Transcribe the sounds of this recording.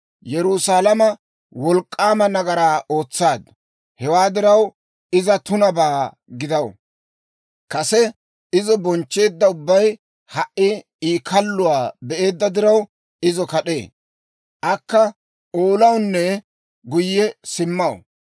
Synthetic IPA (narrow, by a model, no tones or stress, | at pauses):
jɛɾʊsaːlɐmɐ | wɔlkʼːaːmɐnɐɡɐɾaːʔo̞ːt͡sːaːd̪ɐ | hɛwaːd̪ɪɾɐw | ɪzɐt̪ʊnɐbaː | ɡɪd̪ɐw | kɐsɛ | ɪzɔbɔnt͡ʃːe̞ːd̪ːɐʊbːɐj | hɐʔːɪ | iːkʰɐlːʊwaːbɛʔe̞ːd̪ːɐd̪ɪɾɐw | ɪzɔkɐɗe̞̰ː | ʔɐkːɐ | oːlɐwnːɛ | ɡʊjːɛsɪmːɐw̰